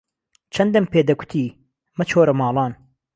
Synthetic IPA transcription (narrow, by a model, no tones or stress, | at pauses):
t͡ʃʰɐnd̪ɐmpeːd̪ɐkʷʰʊ̥t̪ʰiː | mɐt͡ʃʰoːɾɐmɑːlˠɑːn